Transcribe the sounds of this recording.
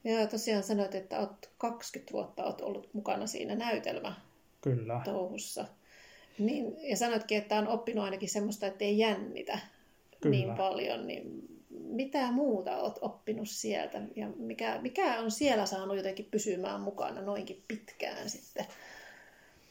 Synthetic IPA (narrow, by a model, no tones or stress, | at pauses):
joːt̪osiɑːnsɑnot̪et̪ːæot̪kɑkskyt̪ʋṵot̪ːɑo̰ːt̪o̰lːut̪mukɑnɑsḭːnænæyt̪ḛlmæ | kylːt̪ouhusːɑ̰ | niːnjɑsɑnot̪kiet̪ːæonopːinuɑinɑkihsemːost̪ɑet̪ːeijænːḭt̪æ | niːmpɑljo̰nnḭmmit̪æmuːt̪ɑ̰o̰ːt̪opːinussiḛlt̪æjɑmikæmikæonsielæsɑːnujot̪ekːippysymæ̰ːmmukɑ̰nɑnoiŋkippit̪kæ̰ːnsit̪ːe